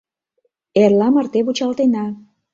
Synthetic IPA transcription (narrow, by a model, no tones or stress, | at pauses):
erlɑmɑrt̪eβut͡ɕɑlt̪enɑ